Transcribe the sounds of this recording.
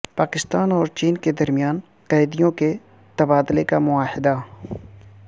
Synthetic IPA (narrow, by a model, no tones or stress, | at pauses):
paːkɪst̪aːnɔːɾt͡ʃiːnked̪ɐɾmijaːn | qɐːɪd̪ijõke | t̪ɐbaːd̪lekamʊaːhɪd̪a